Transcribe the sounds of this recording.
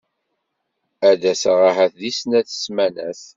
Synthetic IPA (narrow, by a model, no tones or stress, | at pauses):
æðæsʁaɦæθðisnæθə̥smænæ̰θ